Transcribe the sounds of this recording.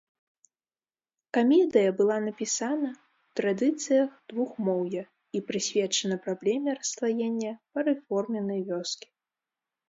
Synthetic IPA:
kamʲɛd̪ɨjɐbɨlˠanɐpʲisanɐ | wt̪ɾad̪ɨt̪sɨjɐxd̪vuxmɔwjɐ | ipɾɨsʲvʲɛt͡ʂɐnɐpɾablʲɛmʲɛrɐslˠajenʲːɐpɐɾɨfɔrmʲɛnɨjvʲɔskʲi̥

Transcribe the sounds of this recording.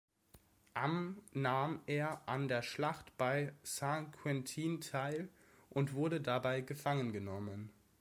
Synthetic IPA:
ʔamnaːmeːɐʔandeːɐʃlaχtb̥aɪsãŋkʰwɛntʰiːntʰaɪl | ʔʊntv̥ʊɐɾədabaɪɡəfaŋənɡənɔmən

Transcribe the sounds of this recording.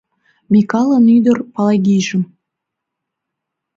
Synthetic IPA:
mʲikɑlˠɤnyd̪ə̆rpɑlˠɑjɡʲiʒə̆m

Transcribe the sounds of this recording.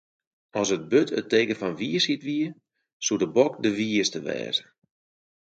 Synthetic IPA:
ɔsət̚bøtʰə̰teːkəfɔnʋiəsitʋiəə | sudəbɔk̚dəʋiəstəʋɛ̰ːzə

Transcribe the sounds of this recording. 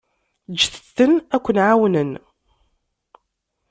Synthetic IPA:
d͡ʒːəθəθːənækʷːənʕawnən

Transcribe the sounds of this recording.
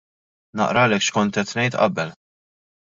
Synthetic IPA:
nɐ̰ʔɾɐlɛːkʃkɔnt̪ɛt̪nɛjt̪ʔɐ̰bɛl

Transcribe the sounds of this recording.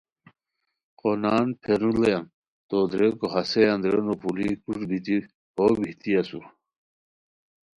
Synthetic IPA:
qonaːnpʰeɾulejan | t̪od̪ɾekoɦasejand̪ɾenopʰulikuʈbʱit̪i | hobʱit̪ijɐsuɾ

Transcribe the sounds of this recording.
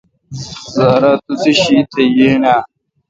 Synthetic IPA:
zaːɾat̪ut͡siɕit̪ʰɐjena

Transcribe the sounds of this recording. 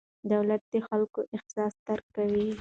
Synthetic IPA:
d̪awlat̪̚d̪əxalkoʔɪxsɑst̪aɾkːawi

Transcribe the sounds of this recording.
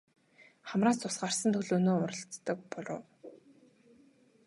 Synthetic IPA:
χamraːst͡sʊsɢarsə̆nt̪ʰɵɮoːnoːʊɾə̆ɬt͡s̪ːə̆k̚pɔɮʊ̰ː

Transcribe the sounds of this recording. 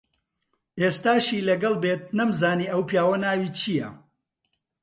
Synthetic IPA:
ʔeːst̪aːʃiːlɐɡɐlˠbet̪̚nɐmzaːniːʔɐwpjaːwɐnaːwiːt͡ʃʰijɐ̰

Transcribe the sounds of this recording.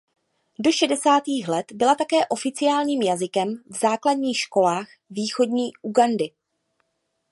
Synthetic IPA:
do̞ʃɛdɛsaːt̪iːxlɛt̪bɪlat̪akɛːʔo̞fɪt͡sɪjaːlɲiːmjazɪkɛmvzaːkladɲiːxʃko̞laːx | viːxo̞dɲiːʔuɡandɪ

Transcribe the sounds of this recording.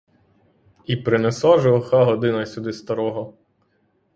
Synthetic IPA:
ipɾɪnesaʒɔxɑɦɔd̪ɪnɐjsʲʊd̪ɪst̪ɐɾɔɦɔ

